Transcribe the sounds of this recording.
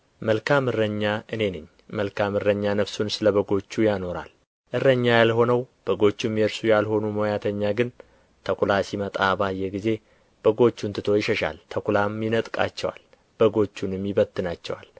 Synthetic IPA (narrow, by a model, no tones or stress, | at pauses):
məlkʰamɨrːəɲːaʔɨne̞nɨɲː | məlkʰamɨrəɲːanəβsunsɨləβəɡo̞t͡ʃːujano̞ɾa̰l | ʔɨrːəɲːajalho̞nəwb̥əɡo̞t͡ʃːumːijeɾsujalho̞numojat̪ʰəɲːaɡɨn | t̪ʰəkʷulasimət̪ʼabajɛɡize̞ | b̥əɡo̞t͡ʃːunt̪ʰɨt̪ʰo̞jɪʃəʃa̰lt̪ʰəkulamjɪnət̪ʼkʼa̰t͡ʃːɛwa̰l | b̥əɡo̞t͡ʃːunɨmːɪβət̪ʰːɨnat͡ʃːɛwa̰l